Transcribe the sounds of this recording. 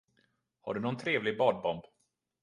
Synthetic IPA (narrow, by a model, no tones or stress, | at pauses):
ha̰ɖɵnɔnt̪ʰɾeːvlɪɡ̚bɑːɖ̪̚bɔmb